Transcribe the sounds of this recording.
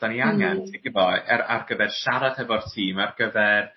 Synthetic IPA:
d̥aniaŋɛntʰɪɡɪvɔaa̰rɡəvɛrʃaɾad̥hɛvɔrtʰiːmarɡ̥əvɛr

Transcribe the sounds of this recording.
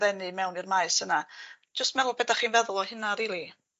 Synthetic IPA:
ɾɛnɨmɛwnirmaɨsənḁ | d͡ʒəstmɛlʊlˠbɛdaχiːnvɛðʊlˠɔhɪnaɾiːlˠi

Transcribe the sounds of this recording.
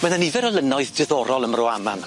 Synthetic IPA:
mɛðanivɛɾəlˠənɔɨðd̥ɪðɔɾɔlˠəmrʊama̰n

